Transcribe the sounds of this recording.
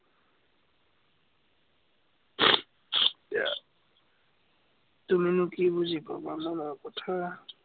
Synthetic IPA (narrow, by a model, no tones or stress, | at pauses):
a̰ | tuminʊkibuzibabamanɔkɔtʰa